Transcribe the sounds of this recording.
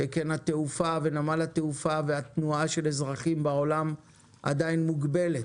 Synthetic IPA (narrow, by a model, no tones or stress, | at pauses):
ekenhat̪eufave̞namalhat̪eufaveat̪nuaʃe̞lezʁaχimbao̞lam | ʔa̰d̪ainmuɡbe̞let